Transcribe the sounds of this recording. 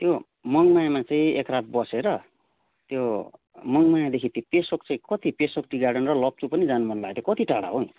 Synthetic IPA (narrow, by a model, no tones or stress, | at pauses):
t̪jo | mʌŋmajamat͡saĩekrat̪̚bʌseɾʌ | t̪jo | mʌŋmajad̪ekʰit̪opesokt͡saĩkʌt̪ipesok̚ʈiɡaɽʌnrʌlʌp̚t͡supʌnid͡zanumʌnlaɡt̪jokʌt̪iʈaɽa̰ɦoĩ